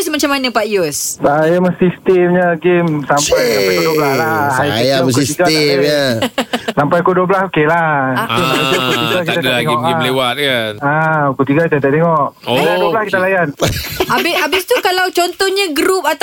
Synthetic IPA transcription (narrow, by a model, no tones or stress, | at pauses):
smat͡ʃamanəpaʔjɔsajaməsist̪ɛmɲaɡemsampajsamkpajkuduoblaslaajajaskuisiɡaa | sampajkuduoblasokelat̪uak̪ukut̪iɡakit̪aaeŋkːlewat̪kanaukut̪iɡakit̪at̪aʔt̪eŋɔʔaaduoblaskit̪alajanabɪabɪst̪ukalawt͡ʃɔnt̪ɔhɲaɡɾup̚at̪